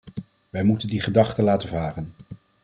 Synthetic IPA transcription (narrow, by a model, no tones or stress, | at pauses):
ʋɛjmutəndiχədɑχtəlaːtəvaːrən